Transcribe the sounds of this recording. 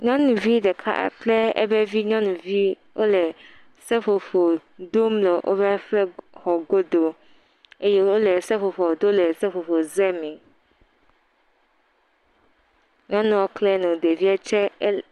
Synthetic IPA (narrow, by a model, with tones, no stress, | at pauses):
ɲɔ̃˦nũ˨vi˦ɖɛ˨kʰa̰˦plɛ˦ɛ̰˦bɛ˦vi˦ɲɔ̃˦nũ˨vi˦ | wʔo˦lɛ˨ | sɛ˦fo˨fo˨d̪o˦mlɛ˨ʔo̰˦bɛ˦a˦fɛ˦xɔ˨ɡo˦d̪o˨ | e˦jɛ˦wo˦lɛ˨sɛ˦fo˨fɔ˨d̪o˦lɛ˨sɛ˦fo˨fo˨zɛ˦mɛ̃˨ | ɲɔ̃˦nũ˨wo˦klɛ˦nũ˨d̪e˨vi˦a˦t͡ʃɛ˦